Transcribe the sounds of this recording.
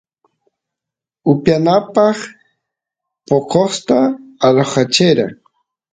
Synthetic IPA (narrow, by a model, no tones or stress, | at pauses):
ʊpjanapɑχ | pokoχt̪aːɾoχat͡ʃɪɾa̰ŋ